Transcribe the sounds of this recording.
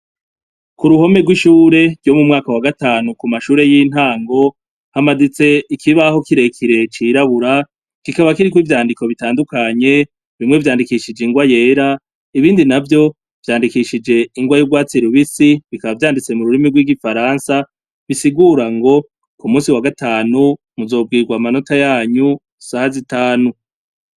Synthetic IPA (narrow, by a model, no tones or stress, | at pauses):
kuɾuho̞me̞ɡwiʃuːɾe̞ɾɟjo̞mumŋaːkawaɡataːnukumaʃuːɾe̞jin̥haːŋɡo̞ | hamadit͡se̞ikʰiβaho̞kiɾe̞kʰiɾe̞t͡ʃiɾaβuɾa | kikaβakiɾikwiːvjaːndiko̞βitaːndukaɲe̞ | βimŋe̞vjaːndikiʃid͡ʒeiŋɡwaje̞ːɾa | iβiːndinavjo̞ | v̥jaːndikiʃid͡ʒe̞iŋɡwajuɡwaːt͡siɾuβisiβikaβavjaːndit͡se̞muɾuɾimiɡwiːɡifaɾaːnsa | βisiɡuːɾaŋɡo̞ | kumũːsiwaɡataːnu | muzo̞ːb̚ɡiːɡwamano̞tajaːɲu | sahazitaːnu